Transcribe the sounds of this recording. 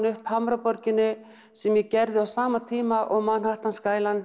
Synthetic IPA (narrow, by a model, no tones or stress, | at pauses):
nʏhphamɾapɔɾcɪnːʏ | sɛmjɛcɛɾðɪawsaːmat̪ʰiːmaʔɔɣmanhaht̪anskaːjlan